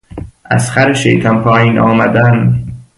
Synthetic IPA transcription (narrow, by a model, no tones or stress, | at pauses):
ʔæ̰sxæɾeʃḛjt̪ʰɒnpʰɒːjiːnʔɒ̰ːmæd̪æn